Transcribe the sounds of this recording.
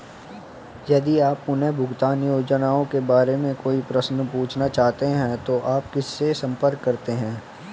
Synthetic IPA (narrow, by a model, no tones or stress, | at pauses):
jɐd̪iaːpʊnẽbʱʊɡt̪aːnjoːd͡ʒənaːõkebaːɾemẽkoːipɾɐsnpuːt͡ʃʰnat͡ʃaːɦt̪eɦɛ̃t̪oʔaːp̚kɪsːesɐ̃mpəɾkːɐɾt̪eɦɛ̃ː